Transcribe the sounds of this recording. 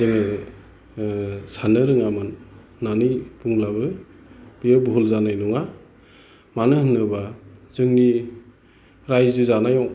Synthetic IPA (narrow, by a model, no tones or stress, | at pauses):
zɯŋɯ | sanɯɾɯŋamɯnː | anɯjbuŋlabɯ | b̥ijɯbɦulzanajnɔŋa | manɯhɯnːɯbaz̥ɯŋni | ɾajzɯzanajɔŋ